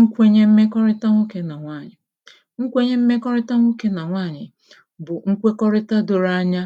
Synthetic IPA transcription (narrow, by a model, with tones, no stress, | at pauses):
ŋ̩˦kʷe˦ɲe˦m̩˦me˦kɔ˦ɾɪ˦ta˦ŋʷo˦ke˦na˨ŋʷa˦˨ɲɪ˨ | ŋ̩˦kʷe˦ɲe˦m̩˦me˦kɔ˦ɾɪ˦ta˦ŋʷo˦ke˦na˨ŋʷaː˦˨ɲɪ˨ | bʊ˨ŋ̩˦kʷe˦kɔ˦ɾɪ˦ta˦do˨ɾa˦ɲa˦